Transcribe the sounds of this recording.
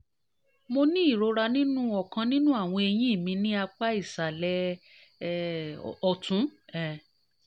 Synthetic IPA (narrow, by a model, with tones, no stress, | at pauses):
mo˧nĩ˦i˦˨ɾo˧ɾa˧nĩ˦nũ˦ɔ˨kã˧nĩ˦nũ˦a˦˨w̃ɔ̃˧e˧j̃ĩ˦i˦˨mĩ˧nĩ˦a˧k͡pa˦i˦˨sa˨lɛ˧ | ɔ˧˨tũ˨˦ɛ˨